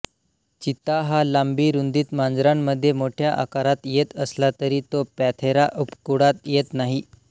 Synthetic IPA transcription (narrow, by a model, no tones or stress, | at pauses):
t͡ɕit̪aɦalambiːɾund̪iːt̪mand͡zɾamːəd̪ʱːjemoʈʰjaʔa̰kaɾat̪jet̪əslat̪əɾiːt̪opæt̪ʰeɾaʔupkuɽat̪jet̪naɦi